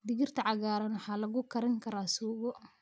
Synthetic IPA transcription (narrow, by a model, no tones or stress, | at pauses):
d̪ɪɣɪrt̪ʰɐʕɑɣaːɾɐnwħɑːlɐɣʊkʰɐɾɐŋkʰɐɾaːsuːɣɔ